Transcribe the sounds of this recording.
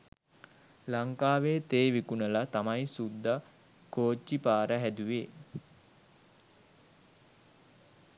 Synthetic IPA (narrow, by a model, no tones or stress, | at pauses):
laŋkaːʋeːt̪eːʋikunəlat̪amajsud̪ːa | koːt͡ʃːipaːɾəɦæd̪uʋeː